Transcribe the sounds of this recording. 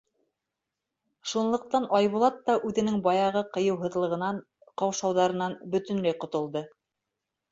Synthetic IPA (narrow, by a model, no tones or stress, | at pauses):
ʃunlˠɤ̆q̚t̪ɑnʔɑjβulˠɑt̪ːɑʔʉðɘ̆nɘŋbɑjɑʁɤqɤ̆jɤ̆wɦɤ̆ðlˠɤ̆ʁɤ̆nɑɴ | qɑwʃɑwðɑɾɤ̆nɑnbɵ̆t̪ɘ̆nlæjqŏt̪ŏlˠd̪ɤ